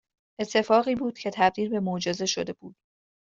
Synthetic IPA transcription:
ʔe̞t̪ʰːe̞fɒːɣiːbuːd̪̥cʰe̞t̪ʰæb̚d̪iːlbe̞mod͡ʒeze̞ʃod̪e̞buːd̪̥̚

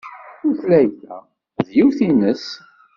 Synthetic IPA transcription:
uflæjθæ̰ | ðjiwθinəs

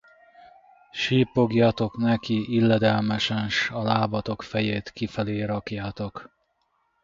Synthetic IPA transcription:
ʃiːpo̞ɡjɒt̪o̞knɛkiilːɛd̪ɛlmɛʃɛnʃɒlaːbɒt̪o̞kfɛjeːt̪kifɛleːɾɒkjaːt̪o̞k

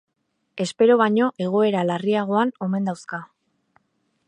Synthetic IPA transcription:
e̞spe̞ɾoβaɲo̞ʔe̞ɣ̞o̞e̞ɾalariaɣ̞o̞ano̞me̞nd̪awska

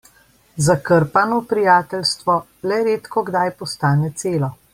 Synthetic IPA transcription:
zakəɾpanɔpɾijaːt̪ɛlst̪ʋɔ | lɛɾeːt̪kɔɡd̪ajpɔst̪aːnɛt̪seːlɔ

